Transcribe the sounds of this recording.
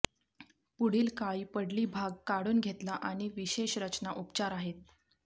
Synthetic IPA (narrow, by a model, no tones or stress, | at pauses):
puɽ̤iːlkaipəɽliːbʱaɡ̚kaɽuːnɡʱet̪laʔaɽ̃iʋiɕeɕɾət͡ɕnaʔupt͡ɕaɾaɦet̪̚